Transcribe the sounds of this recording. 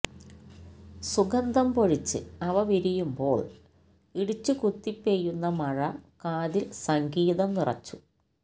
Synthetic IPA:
suɡɐnd̪ʱɐmpo̞ɻit͡ɕːɨ̰ɐʋɐʋiɾijumbo̞ːɭ | iɽut͡ɕːɨkut̪ːipːejunːɐmɐɻɐkaːðilsɐŋɡiːðɐmnirɐ̰t͡ɕːu̥

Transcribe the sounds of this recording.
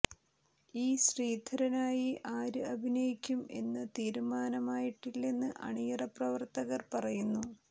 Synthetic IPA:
iːɕriːd̪ʱɐɾɐnaːjiʔaːɾɨɐbʱinɐjikʲːume̞̰nːɐt̪iːɾumaːnɐmaːjiʈːilːenːɨʔɐ̰ɳijɐrɐprɐʋɐrt̪ɐɣɐrpɐrɐjunːu

